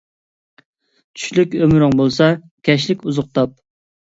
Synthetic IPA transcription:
t͡ʃʰy̥ʃlykʲømɾɪŋbolˠsɑ | kʲʰɛʃ̬lɪkʲuzʊq̚t̪ɑp̚

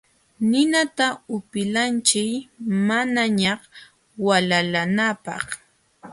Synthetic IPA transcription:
nɪnat̪aʊpɪlant͡ʃɪjmanaɲɑχ | walalanapɑ̰χ

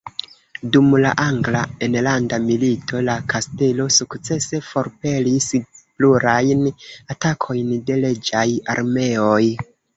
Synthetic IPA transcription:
dumla̰ʔaŋɡlaenlandamilitʰo̞lakʰaste̞lo̞sukt͡se̞se̞fo̞ɾpe̞lispluɾajnatakʰo̞jnde̞le̞d͡ʒaja̰ɾme̞o̞j

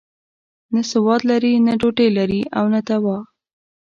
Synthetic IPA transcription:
nəsɪwɑd̪laɾinəɖoʈelaɾiʔawnət̪awɑ

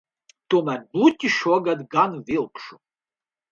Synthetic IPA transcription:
t̪umɛbut̪ʲʼiʃɔɡad̪ɡanvilˠkʃu

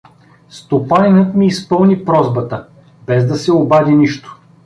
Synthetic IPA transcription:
st̪opanʲinɤt̪miːspɤlˠnipɾɔzbət̪ə | bɛzd̪ɐsɛobad̪ʲiniʃt̪o̥

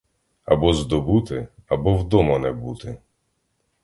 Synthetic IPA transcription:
ɐbɔzd̪ɔbut̪ɪɐbɔwd̪ɔmɐnɛbut̪ɪ

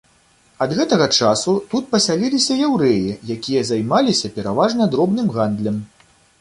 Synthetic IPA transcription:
ɐd̪ɣɛt̪ɐɣɐt͡ʂasut̪ut̪̚pɐsʲalʲilʲisʲɐjɛwɾɛjijakʲijɐzajmalʲisʲɐpʲɛɾavaʐnɐd̪ɾɔbnɨmɣand̪lʲɐm

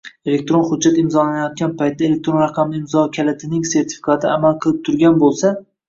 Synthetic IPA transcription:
elek̚ʲt̪ɾonχʊd̪̚d͡ʒːat̪ɪmzɒlanajɒt̪̚ɡʲanpʰajt̪̚d̪aele̞k̚t̪ɾonɾɑqʰɑmɪɪmzɒkʲʰalat̪ʰɪnɪŋse̞ɾt̪ʰɪ̥fi̥kʰat̪ʰɪamalˠqʰɨlˠɪp̚t̪ʰʊɾɡʲanbolˠsa

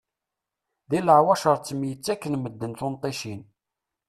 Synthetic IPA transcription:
ðiləʕwæʃəɾˤt͡sːəmjət͡sːækːənməd̪ːənθʊnt̪ˤːeʃin

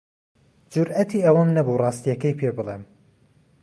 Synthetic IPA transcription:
d͡ʒʊɾʔɐt̪ʰiːɐwɐmnɐburˤɑːst̪ijɐkɐjpʰeːbɨlˠḛm

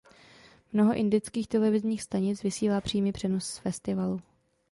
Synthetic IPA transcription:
mno̞ɦo̞ʔɪndɪt͡skiːxt̪ɛlɛvɪzɲiːxst̪aɲɪt͡svɪsiːlaːpr̝̥iːmipr̥ɛnosːfɛst̪ɪvalu

